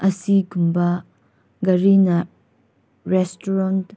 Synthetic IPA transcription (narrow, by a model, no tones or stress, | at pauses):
ɐsiɡumbɐ | ɡɐɾinɐ | ɾestuɾɔnt